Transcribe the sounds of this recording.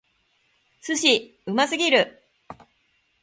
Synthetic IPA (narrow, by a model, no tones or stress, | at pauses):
sɨɕi | ɯ̟masɨɡʲiɾɯ̟